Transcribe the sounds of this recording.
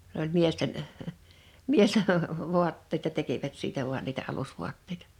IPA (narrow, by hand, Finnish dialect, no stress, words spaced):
s olʲ miesten miesten ʋuɑtːeĭtɑ tekiʋæt siːtæ ʋuɑn niːtæ ɑlusʋuɑtːeitɑ̥